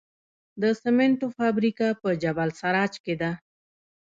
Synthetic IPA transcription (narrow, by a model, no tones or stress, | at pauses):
d̪əsemeɳʈofabɾikapəd͡ʒabalsaɾɑt͡ʃked̪a